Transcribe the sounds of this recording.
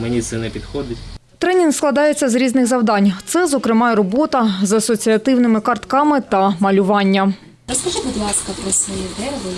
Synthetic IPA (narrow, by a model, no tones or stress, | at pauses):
menʲit̪sɛnɛpʲid̪xɔd̪ʲɐtʲ | t̪ɾɛnʲinksklˠɐd̪ɑjet͡sʲːɐzɾʲiznɪɣzɐwd̪ɑnʲt̪sɛzɔkɾɪmɑjɛɾɔbɔt̪ɐzɐsɔt͡sʲiɐt̪ɪwnɪmɪkɐrt̪kɑmɪt̪ɐmɐlʲʊʋɑnʲːɐ | ɾɔskɐʒɪbʊd̪lˠɑskɐpɾɔsʋɔjid̪ɛʋɔ